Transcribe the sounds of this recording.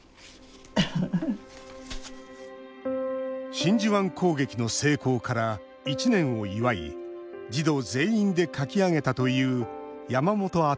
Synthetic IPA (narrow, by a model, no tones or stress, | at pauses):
ɕĩɲ̟d͡ʑiβãŋkʰo̞ːɡe̞kʲino̞se̞ːko̞ːkaɾa | it͡ɕinẽ̞ɰ̃o̞iβaḭd͡ʑid̪o̞ːze̞ːĩnd̪e̞kakʲiaŋe̞t̪at̪o̞jɯ̟ːjamamo̞t̪o̞a